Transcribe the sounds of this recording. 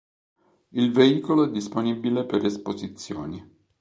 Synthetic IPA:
ilveiːkoloɛd̪ːisponibilepeɾespozit̪sːjo̰ːni

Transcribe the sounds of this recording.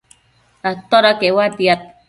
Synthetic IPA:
at̪ɔɾakewadjat̚

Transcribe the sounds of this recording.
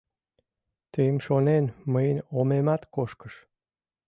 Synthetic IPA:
t̪emʃonenməjnomemæt̪koʃkə̥ʃ

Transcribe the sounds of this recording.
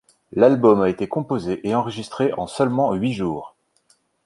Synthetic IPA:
lalbɔmaet̪ekɔ̃pozeʔeɑ̃ʁəʒist̪χeʔɑ̃sœlmɑ̃ɥiʒuːʁ

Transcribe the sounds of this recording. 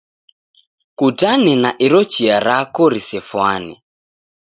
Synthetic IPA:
kudanɛnaʔiɾɔt͡ʃiaɾakɔɾisɛfwanɛ̰

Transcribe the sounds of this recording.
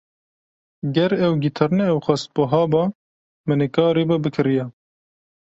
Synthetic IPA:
ɡɛɾɛwɡiːt̪ʰɐɾnɛːwxʷɑst̪̚boɦɑːbɑ | mɨnɛkɑːɾebɛbɨkʰɨɾijɛ

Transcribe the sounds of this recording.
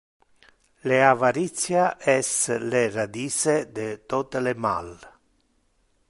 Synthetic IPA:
leavaɾit̪sjaʔɛslerad̪iːsed̪et̪ɔt̪elema̰l

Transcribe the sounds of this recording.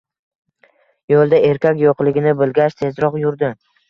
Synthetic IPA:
jolˠd̪ae̞ɾkʲakʲjoqlˠɪɡʲɪnɪbɪlɡʲaʃt̪ʰe̞zɾɒqjʊɾd̪ɪ

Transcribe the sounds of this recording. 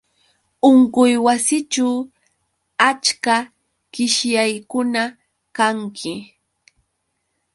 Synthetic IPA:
ʊɴkʊjwasɪt͡ʃaw | at͡ʃka | kɪʃjajkʊna | kaŋkʰɪ

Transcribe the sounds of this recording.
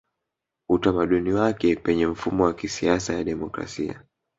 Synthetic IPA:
utamaɗuniwakɛpɛɲɛm̩fumɔwakisiasajaɗɛmɔkɾa̰sia̰

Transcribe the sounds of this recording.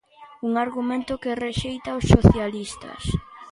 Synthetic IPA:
uŋaɾɣumẽnt̪ʊkereʃejt̪aosːoθjalist̪ɐ̰s

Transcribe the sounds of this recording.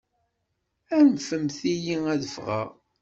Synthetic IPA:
ænfəmθijiæðəfʁa̰ʁ

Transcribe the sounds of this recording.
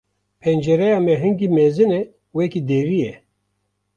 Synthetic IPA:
pʰɛnd͡ʒɛɾɛjɑːmɛɦɨŋɡiːmezɨnɛ | wɛkid̪eːvijɛ

